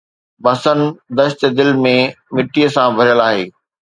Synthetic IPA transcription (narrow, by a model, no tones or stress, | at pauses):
bɐsənd̪ɐʃt̪d̪ɪlmẽ | mɪʈijəsãbʱɐɾijəlaːɦeː